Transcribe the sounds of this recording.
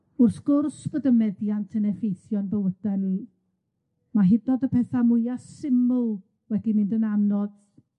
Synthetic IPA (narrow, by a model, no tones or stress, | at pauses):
ʊrθɡ̥ʊrsb̥ədəmɛdjantʰənɛfejθjɔnbəwəd̥ani | maɦɪdɔdəpʰɛθamʊjasɪmʊlˠ | wɛdimɪndənamnɔd̥